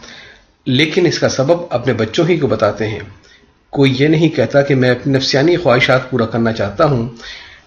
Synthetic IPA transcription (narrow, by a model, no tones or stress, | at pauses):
leːkɪnɪskasɐbəbɐpnebɐtːʃõɦikobɐt̪aːt̪eɦɛ̰̃ː | koːijenɐɦĩkɛɦt̪akemɛ̃ɐpninɐfsijaːnixwaːɦɪʃaːt̪̚puːɾakɐɾnat͡ʃaːɦt̪aɦũ